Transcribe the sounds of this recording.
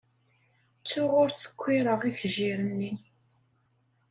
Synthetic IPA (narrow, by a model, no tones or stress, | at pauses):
t͡sːʊʁʊɾsə̥kʷːiɾəʁiçʒiɾənːi